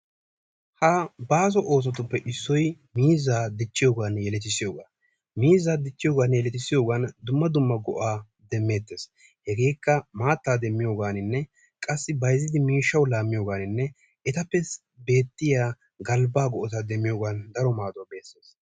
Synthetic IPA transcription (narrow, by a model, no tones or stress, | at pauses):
hɐbaːs̬ɔʔoːs̬ɔt̪ːʊpːɛʔɪsːɔj | miːzːaːd̪ɪt͡ʃːɪjo̞ːɡaːnjɛlɛt̪ːɪsɪjo̞ːɡa̰ː | miːzːaːd̪ɪt͡ʃːɪjo̞ːɡaːnjɛlɛt̪ɪsɪjo̞ːɡaːnd̪ʊmːɐd̪ʊmːɐɡɔ̰ʔaː | d̪ɛmːe̞ːt̪ːe̞ːs | hɛɡe̞ːkːɐmaːt̪ːaːd̪ɛmːɪjo̞ːɡaːnɪnːɛ | kʼɐsːɪbɐjzɪd̪ɪmiːʃːɐwlaːmːɪjo̞ːɡaːnɪnːɛ | ɛt̪ɐpːɛs | be̞ːt̪ːɪjaː | ɡɐlbaːɡɔʔɔt̪ad̪ɛmːɪjo̞ːɡaːnd̪ɐɾɔmaːd̪ɔbe̞ːsːeːs